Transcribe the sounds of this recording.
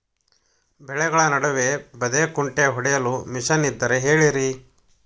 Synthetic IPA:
bɛɭɛɡɐɭɐnɐɽɐʋe̞bɐd̪ekuɳʈeɦɔɽɛjɐlumiʂɐnid̪ːɐɾe̞ɦe̞ːɭiɾi

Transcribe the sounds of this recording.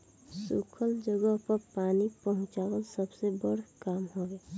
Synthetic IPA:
sukʰəld͡ʒəɡəɦpəɾpaːnipəɦʊ̃t͡ʃaːɡəlsəbsebəɽkaːmɦoeː

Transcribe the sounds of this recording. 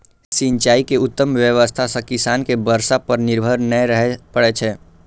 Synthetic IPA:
sĩnt͡ʃaːikeʊt̪ːəmʋjəʋəst̪ʰasãkɪsaːnkebəɾsapəɾnɪɾbʱəɾnəɾəɦɛpəɽet͡ʃʰɛː

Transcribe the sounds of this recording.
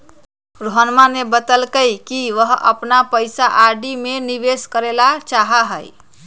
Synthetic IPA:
ɾoɦənmanebət̪əlkəjkiʋəɦə̰pnapəjsaʔaɖimeniʋeskəɾelat͡ʃaɦaɦəj

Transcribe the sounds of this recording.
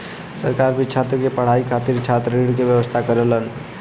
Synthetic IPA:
səɾkaɾbit͡ʃʰat̪ɾəkepəɽ̤aikʰat̪iɾt͡ʃʰat̪ɾiɽkebjəwəst̪ʰakəɾələn

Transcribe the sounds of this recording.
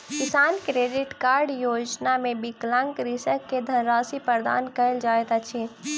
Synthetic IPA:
kisaːnkɾeɖiʈkaɾɖjod͡ʒnamebiklaŋkɾisəkːed̪ʱənɾasipəɾd̪a̰ːnkəɪld͡ʒajt̪at͡ʃʰi

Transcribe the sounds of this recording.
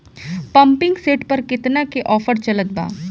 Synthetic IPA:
pɐ̃mpɪ̃ŋɡseːʈpɐɾkɪt̪nakeʔɔːfəɾt͡ʃɐlət̪̚ba̰ː

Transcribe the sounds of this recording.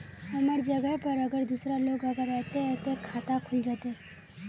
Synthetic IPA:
əməɾd͡ʒəɡajpəɾəɡəɾd̪usɾalokəɡəɾɛt̪et̪ekʰat̪akʰuld͡ʒət̪e

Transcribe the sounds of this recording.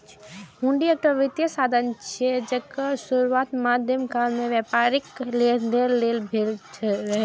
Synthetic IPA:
ɦũɳɖiek̚ʈəʋɪt̪jəsaːd̪ʱənt͡ʃʰed͡ʒɐkasʊɾuaːt̪maːd̪ʱjəmkaːlmẽʋjaːpaɾɪkeelːeːlbʱelt͡ʃʰɾɐɦe

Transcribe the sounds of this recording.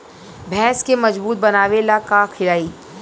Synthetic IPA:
bʱɛ̃ːskemɐd͡ʒbuːt̪̚bɐnaːʋelakakʰɪɾaːiː

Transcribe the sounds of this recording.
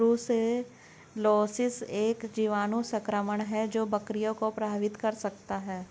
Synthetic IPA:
ɾuse | loːsɪseːkd͡ʒiːʋaːnũsɐ̃kɾəməɳ̃ɦɛd͡ʒoːbɐkɾijõkopɾaːʋɪt̪kɐɾsɐkt̪aɦɛː

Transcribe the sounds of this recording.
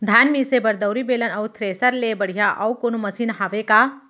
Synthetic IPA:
d̪ʱaːnmiːsebɐɾd̪əwɾibeːlənɐwt̪ʰɾeːsəɾlebɐɽ̤ijaʔɐwkonomɐsinɦaʋekaː

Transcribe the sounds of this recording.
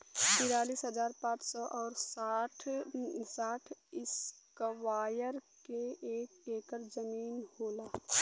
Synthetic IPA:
t̪ɪɾaːliːsɦəd͡ʒaːɾpãːt͡ʃsɔʔɔːɾsʈʰ | saːʈʰɪskəwaːjəɾkeeːkeːkəɾzəmiːnhoːlaː

